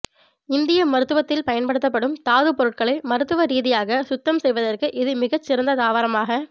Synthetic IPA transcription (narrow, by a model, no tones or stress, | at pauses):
ɪnd̪ɪjɐmɐɾɯt̪ːɯʋɐt̪ːɪlpɐjɐnpɐɽɯt̪̬ːɐp̬ːɐɽɯmt̪aːðɯpɔɾɯʈ̚kɐɭɪmɐɾɯt̪ːɯʋɐɾiːðɪjaːɣɐsʊt̪ːɐmsɛjʋɐðɐrkɯʔɪðɯmɪɣɐt͡ʃːɪɾɐnd̪ɐðaːʋaːɾɐmaːɣɐ